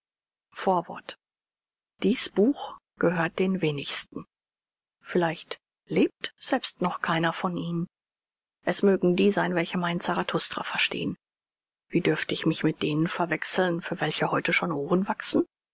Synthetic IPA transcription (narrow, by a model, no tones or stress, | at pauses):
foːɐvɔ̰ɐt | d̥iːsb̥uːx | ɡ̥əɦøːɐt̚d̥eːnveːnɪçstn̩ | fɪlaɪçt | leːp̚tz̥ɛlpstnɔχkʰaɪnɐfɔnʔiːnən | ʔɛsmøːɡŋ̩diːzaɪnvɛlçəmaɪnt͡saʁatʰʊstʁ̥a̰fɛɐʃtḛːən | viːdʏɐftəɪçmɪçmɪt̚d̥eːnənfɛɐvɛksl̩nfyːɐvɛlçəhɔʏtəʃoːnʔoːʁənvaksn̩